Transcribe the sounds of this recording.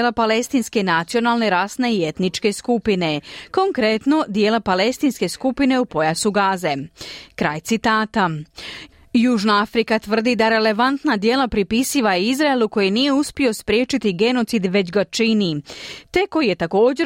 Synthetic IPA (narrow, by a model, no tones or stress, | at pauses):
lapale̞st̪inske̞nat̪sio̞nalˠne̞ɾaːsne̞ie̞t̪nit͡ʃke̞skupine̞ko̞ŋkɾe̞t̪no̞d̪je̞ːlapale̞st̪inske̞skupine̞upo̞jasuɡaːze̞kɾaːjt̪sit̪aːt̪a | juːʒnaafɾikat̪ʋr̩d̪id̪aɾe̞le̞ʋant̪nad̪je̞ːlapɾipisiʋaizɾaelˠuko̞jinije̞uspio̞spɾjeːt͡ʃit̪iɡe̞no̞t̪sid̪ʋe̞t͡ɕɡat͡ʃinit̪e̞ko̞jije̞t̪ako̞ːd͡ʑe̞